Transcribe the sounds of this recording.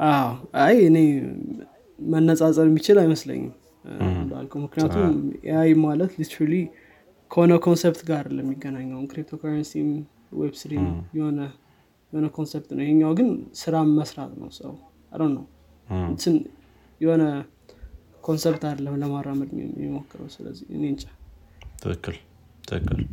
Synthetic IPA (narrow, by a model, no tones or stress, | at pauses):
ʔawajɨne̞ | mənːəsʼat͡sʼəβjɛmːit͡ʃɪlajməslə̰ɲːɪ̰m | la̰lkʰəwmɨknijat̪ʰumjajmalət̪lit̪ʰɾali | kʰəho̞nəkʰo̞nsept̪ɡaɾləmːiɡːənaɲːəwkɾip̚t̪ʰokʰaɾənsim | wḛbsɾimjɛho̞nə | jɛho̞nəkʰo̞nsept̪nəwjheɲːawɡɨnsɨɾaməsɾat̪nə̰wsə̰w | a̰ɾənəw | ɨnt̪ɨn | jɛho̞nə | kʰo̞nsept̪ad̪əlːəmləmarːaməd̪ɨɲ̰jɛ̰mo̞kːɨɾə̰wsɨlə̰zːḭɨ̰nent͡ʃʼḁ | t̪ʰɨkːɨl | t̪ʰɨkːɨl